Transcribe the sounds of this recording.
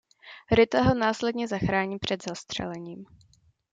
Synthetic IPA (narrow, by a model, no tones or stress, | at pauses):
ɾɪt̪aɦonaːslɛdɲɛzaxɾaːɲiːpr̝̥ɛd̪zast̪r̝̥ɛ̰lɛɲiːm